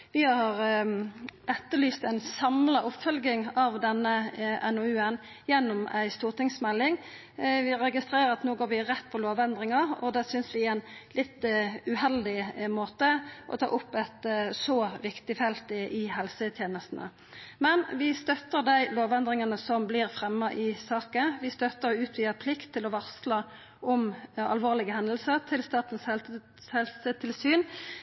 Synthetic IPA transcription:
ʋɪhɑhɑʁ | ʔɛt̪ːəlyːst̪æɪnsɑmlɑʔʊpfœlɡɪŋɑʋd̪ɛnːəʔɛnɔʉːən | jɛnːʊmæ̰ɪst̪uːʁt̪ʰɪŋsmɛlːɪŋ | ʋɪɾɛɡɪst̪ɾeːɾəɾɑt̪noːɡoːɾʋɪɾɛt̪ːpʰɔloːʋɛnd̪ɾɪŋɑɔd̪ɛːsʏnsʋɪɛnlɪt̪ʉhɛld̪ɪmoːt̪əʔɔ̰t̪ʰɑ̰ːʔʊpːɛt̪sɔʋɪkt̪ɪfɛlt̪ɪʔɪhɛlsət̪ʰjeːnəst̪nə̰ | mɛnʋɪst̪œt̪ːəʁd̪æɪloːʋɛnd̪ʁɪŋɑnəsɔmblɪʁfʁɛmːɑʔɪsɑːkəʋɪst̪œt̪ːəɾɔʉːt̪ʰʋiːəpʰlɪkt̪ʰːɪlɔʋɑʁslɑ | ʔɔmɑ̰lʋoːʁlɪɡəhɛnd̪əlsəʁt̪ʰɪlst̪ɑːt̪ən̩s | hɛlsət̪ʰɪlsyːn

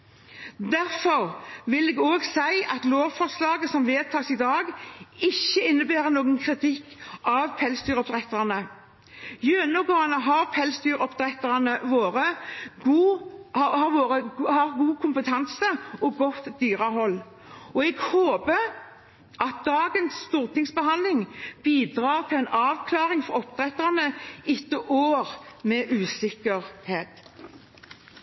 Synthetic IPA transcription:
d̪æʁfɔɾʋɪlɛːɡoːɡsæɪʔɑt̪loːʋfɔʁslɑːɡəsɔmʋeːd̪̚t̪ʰɑːsɪd̪ɑːɡɪçːəɪnːəbæːɾənoːɡənkʰʁɪt̪ʰɪkːʔɑʋpʰɛlsd̪yːɾɔp̚d̪ʁɛt̪ɑnə | jøːnɔɡɑːnəɦɑɾpʰɛlsd̪yːɾɔpd̪ɾʁɛt̪ːənəʋoːɾəɡuː | hɑɾʋoːɾəhɑʁɡuːkʰʊmpət̪ʰɑnsəɔɡɔt̪ːd̪yːʁəɦɔlː | ɔɛɡhoːbə | ʔɑt̪̚d̪̥ɑːɡənsːt̪uːʁt̪ʰɪŋsbəhɑnlɪŋb̥iːd̪ʁɑːʁt̪ʰɪɛɪnɑːʋkʰlɑːʁɪŋfɔʁɔpd̪̥ʁɛt̪ːənəɪt̪ːəʔoːʁmɛʔʉːsɪkəʁheːt̪

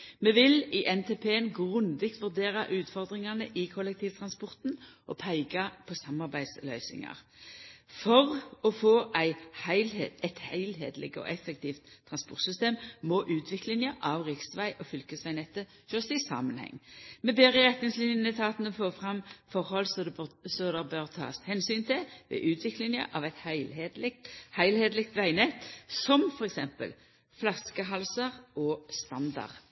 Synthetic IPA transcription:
mɛʋɪlɪʔɛnt̪ʰeːpʰeːənɡʁʉnʋɪkt̪ʋʉʁd̪eːʁɑʔʉːt̪fɔʁd̪ʁɪŋɑnəʔɪkʰɔlːɛk̚t̪ʰiːʋt̪ʰʁɑnspɔʁt̪nʔɔpʰæɪɡɑpʰɔsɑmɑʁbæɪd̪slœʏsɪ̰ŋɑ̰ʁ | fɔʁɔfoːʔæɪhæɪleæɪt̪hæɪlhḛːd̪lɛ̰ɡɔ̰ʔɛfɛkt̪ʰiːft̪ʰːʁɑnspɔʁt̪sʏst̪eːmmɔʔʉːt̪ʰʋɪklɪnjəʔɑʋʁɪksʋæɪʔɔfʏlkəsʋæɪnɛt̪ːə | ʃøːʁsɪsɑ̰ːmənhɛ̰ŋːmɛbeːʁəɪʁɛt̪nɪŋslɪnjənət̪ʰɑːt̪ənəfoːfʁɑmfɔʁhɔlsɔsɔd̪ɛʁbœʁt̪ʰɑ̰ːshɛnsyːnt̪ʰɪʋɛ̰ːʔʉːt̪ʰʋɪklɪŋjə̰ʔɑʋɛt̪hɪled̪hæɪlheːd̪lɪk̚t̪ʋæɪnɛt̪sɔmfɔʁɛksɛmpə̰l | flɑskəɦɑlsəʁʔɔst̪ɑnd̪ɑ̰ʁ

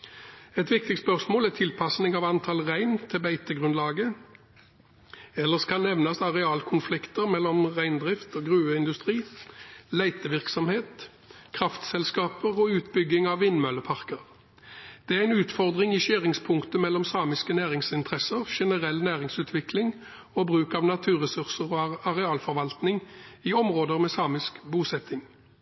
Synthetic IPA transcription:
ɛt̪ʋɪk̚t̪ɪspœʁsmoːlæʁt̪ʰɪlpʰɑsnɪŋɑʋɑnt̪ʰɑlʁæɪnt̪ʰɪbæɪt̪əɡʁʉnlɑːɡə | ɛlːəskʰɑnnːɛʋnɑsd̪ɑʁɛɑːlkʰʊnflɪkt̪əʁmɛlːɔmʁæɪnd̪ʁɪft̪oːɡʁʉːəɪnd̪ʉst̪ʁiːlæɪt̪əʋɪʁksɔmheːt̪ | kʰʁɑft̪sɛlskɑːpəʁɔːʉːt̪bʏɡːɪŋɑʋːɪnmœləpʰɑʁkəʁ | d̪̥ɛæʁæɪnʉːt̪fɔʁd̪ʁɪŋiʃøːʁɪŋspʰʊŋkt̪əmɛlːɔmsɑːmɪskənæːʁɪŋsɪnt̪ʰʁɛsəʁʃɛnəʁɛlːnæːʁɪŋsʉːt̪ʰʋɪklɪŋ | oːbʁʉːkɑʋnɑt̪ʰʉːʁɛsʉʁsəʁoːɑʁɛɑːlfɔʁʋɑlt̪nɪŋiːɔmʁoːd̪əʁmɛːsɑːmɪskbuːsɛt̪ːɪŋ

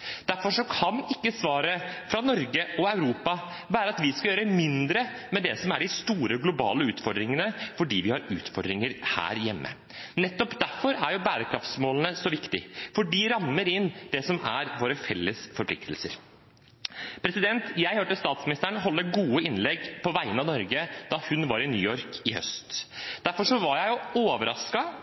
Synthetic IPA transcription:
d̪̥æɾfɔʂɔkʰɑnɪkːəsʋɑːɾəfɾɑnɔɾɡəɔɑʉɾuːpɑ | ʋæːɾəɑt̪ʋɪskɑjøːɾəmɪnd̪ɾəmɛd̪ɛsɔmæɖɪst̪uːɾəɡlʊbɑ̰ːləʉːt̪fɔɖ̪ɾɪŋənəfɔɖiːʋɪhɑɾʉ̰ːt̪fɔɖɾɪŋəɾhæ̰ːɾjɛmːə̰ | nɛt̪ːɔpd̪æɾfɔɾæɾjʊbæːɾəkʰɾɑft̪smoːlnəsɔʋɪkt̪ɪ̰fɔɖiːɾɑmːəɾɪnd̪̥ɛsɔmæɾʋoːɾəfɛlːəsfɔɾpʰlɪkt̪lsəɾ | pʰɾɛsɪd̪ɛnt̪jæɪhøːʈəst̪ɑːt̪smɪnɪst̪əɳɦɔlːəɾɡuːəɪnlɛɡpʰɔʋæɪənɑnɔɾɡəd̪̥ɑhʉnʋɑɾɪnyːɔɾkʰɪhœ̰st̪d̪̥æɾfɔʂɔʋɑɾjæɪjʊoːʋəɾɑskɑ

